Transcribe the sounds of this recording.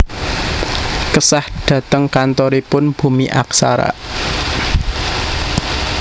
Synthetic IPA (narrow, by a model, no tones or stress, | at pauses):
kəsahɖ̥ä̤t̪əŋkant̪ɔɾipʊnb̥ṳmiʔa̰ksa̰ɾa̰